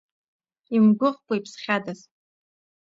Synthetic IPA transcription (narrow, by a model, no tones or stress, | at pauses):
imɡʷʊχpʼaipʰsχʲadaz